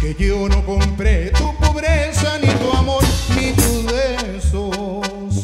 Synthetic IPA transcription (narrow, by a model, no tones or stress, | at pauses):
keʎewnɐ̃w̃kõmpɾet̪upoβɾesɐnĩt̪uamoɾnĩt̪uðe | so | s